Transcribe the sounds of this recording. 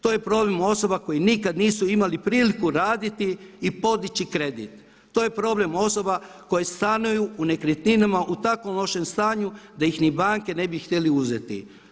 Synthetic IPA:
t̪o̞ːje̞pɾo̞ble̞mo̞so̞bako̞jinikad̪niːsuimalipɾiːlikuɾaːd̪it̪iipo̞d̪it͡ɕikɾe̞d̪ḭt̪ː | oːje̞pɾo̞ble̞mo̞so̞ba | ko̞jest̪anujuːne̞kɾet̪ninamaʔut̪akʋo̞mloʃe̞mst̪aːɲud̪aixnibaːŋke̞ne̞bixt̪ʲjeliuze̞t̪ḭ

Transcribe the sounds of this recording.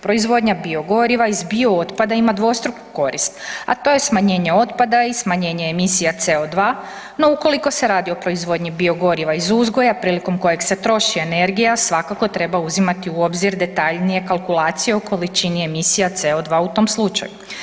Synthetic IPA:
pɾo̞izʋo̞d̪ɲabio̞ɡo̞ɾiʋaizbioot̪pad̪aimad̪ʋo̞st̪ɾuku̥ko̞ɾḭst̪a̰t̪o̞je̞smaɲe̞ːɲe̞o̞t̪pad̪aismaɲe̞ːɲeemisijat̪se̞od̪ʋaː | no̞uko̞liko̞se̞ɾaːd̪io̞pɾo̞izʋo̞d̪ɲibio̞ɡo̞ɾiʋaizuzɡo̞japɾiːliko̞mko̞jekse̞t̪ɾo̞ʃie̞ne̞ɾɡijasʋakako̞t̪ɾe̞bauzimat̪iuobziɾd̪e̞t̪aʎnije̞kalˠkulˠaːt̪sije̞oko̞lit͡ʃinie̞misijat̪seod̪ʋaut̪o̞ːmslˠut͡ʃa̰ju

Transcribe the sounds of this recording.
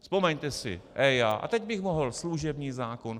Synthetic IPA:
spo̞mɛɲt̪ɛsɪ̰ʔɛjaːʔa̰t̪ɛɟbɪxmoɦl̩sluʒɛbɲiːzaːkon

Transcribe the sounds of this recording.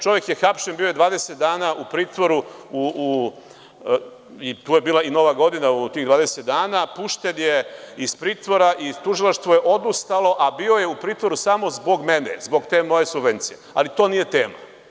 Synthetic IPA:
t͡ʃo̞ʋjekjexapʃenbiːojed̪ʋaːd̪eset̪̚d̪aːnaʔupɾiːt̪ʋoɾuuu | it̪uːje̞biːlaino̞ʋaɡo̞d̪inaut̪iːɣd̪ʋaːd̪eset̪̚d̪aːnapuʃt̪enjeispɾiːt̪ʋo̞ɾaʔit̪uʒilaʃt̪ʋoje̞ʔo̞d̪ust̪alˠo̞ʔabio̞je̞upɾiːt̪vʋo̞ɾusamo̞zbo̞ɡmenḛzbo̞ɡt̪e̞mo̞je̞subʋe̞nt̪sije̞a̰lit̪o̞ːnije̞t̪e̞ːma̰

